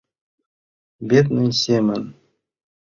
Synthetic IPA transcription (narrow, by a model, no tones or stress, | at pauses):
bʲet̪nɘnʲsʲemɘn